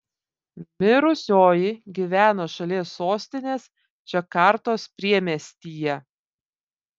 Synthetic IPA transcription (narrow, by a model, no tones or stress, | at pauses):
mʲɪɾʊsʲoːjɪɡʲiʋʲæːnoːʃɐlʲiɛsːoːsʲt̪ʲɪnʲeːs | t͡ʃʲɛkɑɾt̪oːspʲɾʲiɛmʲɛsʲt̪ʲiːjɛ